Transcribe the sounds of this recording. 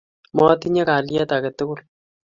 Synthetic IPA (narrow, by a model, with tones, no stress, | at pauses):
mɔ˦ti˦ɲɛ˦ka˨ljɛ˦ta˨kɛ˨tʊ˦kʊ˦l